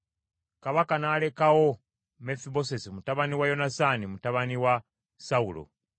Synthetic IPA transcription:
kaβakanaːle̞kawo̞ | me̞fiβo̞s̬esimutaβaniwajo̞nasanimutaβaniwa | saulo̰

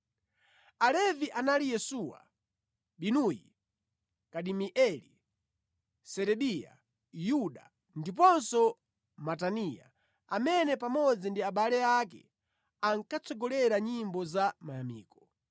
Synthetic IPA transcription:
alɛviʔanalijɛsuwa̰ | ɓinuji | kaɗimiʔɛli | sɛɾɛɓija̰ | juɗa | ndip̬ɔnsɔ | matanija̰ | amɛnɛpamɔd͡zindiaɓalɛak̬ɛ̰ | aŋkat͡sʰɔɡɔlɛɾaɲimbɔzamajamḭːkɔ̥

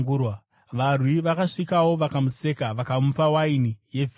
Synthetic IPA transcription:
ɡurwa | ʋarwiʋakaʂikawo̞ʋakamuse̞kaʋakamupawainije̞vʱ

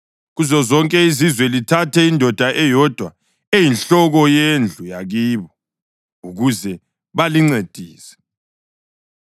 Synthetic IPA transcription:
ɣuzɔzɔŋkʼɛizizwɛlitʰatʰɛindʱɔd̥ʱaʔɛjɔd̥ʱwa | ejinɬɔɣɔjend͡ɮʱujaɣiːβɔ | uɣuzɛ | βaliŋ͡ǀed̥ʱiːsɛ̥

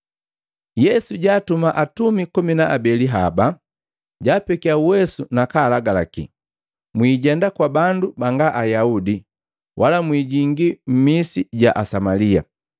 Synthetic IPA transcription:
jɛsuɟaːtumaʔatumikɔminaabɛliɦaba | ɟaːpɛkiauwɛsunakaːlaɡalakḭ | mwiːɟɛndakwabandubaŋɡaʔajaudi | wʔalamwiːɟiŋɡim̩misiɟaʔasamalia̰

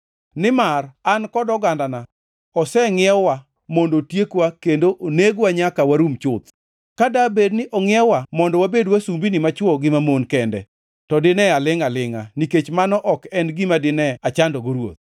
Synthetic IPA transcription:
nɪmarankɔdɔɡandana | ɔsɛŋɪɛwa | mondotjekwakendoʔoneɡwaɲakawaɾumt͡ʃʊt̪ | kadabednɪʔɔŋɪɛwamɔndɔwabedwasumbinɪmat͡ʃwɔɡɪmamonkɛndɛ̰ | tɔdɪnɛalɪŋalɪŋaniket͡ʃmanɔʔɔkɛnɡɪmadɪnɛat͡ʃandɔɡoɾwo̰t̪̚

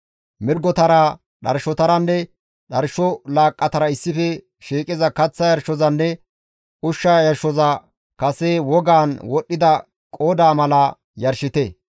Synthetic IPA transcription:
mɪɾɡɔt̪ɐɾɐ | ɗɐ̰ɾʃɔt̪ɐɾɐnːɛ | ɗɐɾʃɔlaːkʼːɐt̪ɐɾɐɪsːɪfɛ | ʃiːkʼɪzɐkɐt͡sːɐjɐɾʃɔzɐnːɛ | ʔʊʃːajɐɾʃɔzɐ | kɐsewɔɡaːnwɔɗːɪd̪ɐ | kʼoːd̪aːmɐlɐ | jɐɾʃɪt̪e

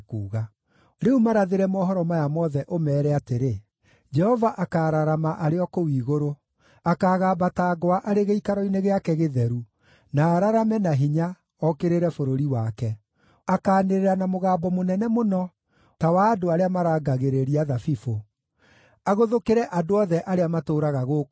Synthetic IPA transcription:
kṵːɣa | ɾeumaɾaðeɾɛmɔːɦɔɾɔmajamɔðɛʔomɛːɾɛateɾe | d͡ʒɛhɔvaʔakaːɾaɾamaʔaɾeɔkowiːɣoɾo | akaːɣaːbataːɡoaʔaɾeɣeikaɾɔineɣeakɛɣeðɛɾu | naːɾaɾamɛnaɦiɲa | ɔkeɾeɾɛfoɾoɾiwakɛ | akaːneɾeɾanamoɣaːbɔmonɛnɛmonɔ | tawaːdoaɾeamaɾaːɡaɣeɾeɾiaðafifo | aɣoðokeɾɛʔadoɔðɛʔaɾeamatoːɾaɣaɣoː

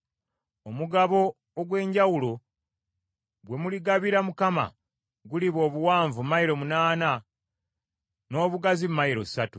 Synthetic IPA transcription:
omuɡaβo̞ː | ɡwe̞ːɲɟawulo̞ | ɡwe̞muliɡaβiɾamukama̰ | ɡuliβo̞ːβuwaːɱvumaiɾo̞munaːna | no̞ːβuɡazimːaiɾo̞̰satu

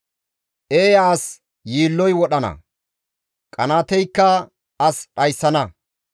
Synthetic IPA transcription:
ʔeːjaːs | jiːlːɔjwɔɗɐnɐ̰ | kʼɐnaːt̪ɛjkːɐ | ɐsɗɐjsːɐnɐ

